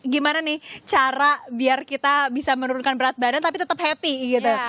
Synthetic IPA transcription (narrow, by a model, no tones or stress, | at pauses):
ɡimananɪht͡ʃaɾabiarkit̪abisamənuɾunkanbəɾat̪̚badant̪ap̬it̪ət̪əp̚hɛpiɡit̪u